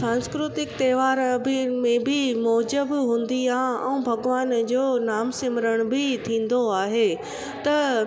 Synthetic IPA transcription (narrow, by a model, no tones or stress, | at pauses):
sãːnskɾʊt̪ɪkt̪ɛːʋaːɾbmẽbʱimɔːd͡ʑəbɦũːn̆d̪iaːɦɛ̰̃bʱɐɡʋaːnd͡ʑoːnaːmsɪməɾəɽ̃bʱɪt̪ʰĩːn̆d̪oaːɦeː | t̪ɐ